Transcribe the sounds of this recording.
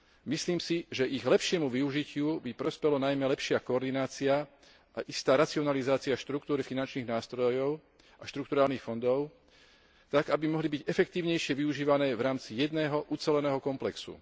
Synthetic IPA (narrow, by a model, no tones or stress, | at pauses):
misliːmsiʒɛʔiɣlɛpʃɪɛmuʋiuʒicɪubipɾɔspɛlɔnajmɛlɛpʃɪakɔɔːɾd̪inaːt͡sia | ʔaʔist̪aːɾat͡siɔnalizaːt͡siaʃt̪ɾukt̪uːɾifinant͡ʃniːɣnaːst̪ɾɔjɔʊ | ʔaʃt̪ɾukt̪uɾaːlnixfɔnd̪ɔʊ | t̪aɡabimɔɦlibiɟɛfɛkt̪iːʊɲɛjʃɪɛʋiuʒiːʋanɛːvɾaːmt͡sijɛd̪nɛːɦɔʔut͡sɛlɛnɛːɦɔkɔmplɛksṵ